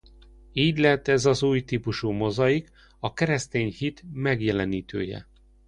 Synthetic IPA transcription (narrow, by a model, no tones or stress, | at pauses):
iːɟlɛɦɛt̪ːɛzɒzuːjt̪iːpuʃumo̞zɒjik | ɒkɛɾɛst̪eːɲhit̪mɛɡjɛlɛniːt̪ʰø̰ːjɛ̰